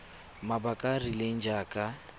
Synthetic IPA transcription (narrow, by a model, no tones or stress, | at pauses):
mabakʼarileŋ̩d͡ʒaːkʼa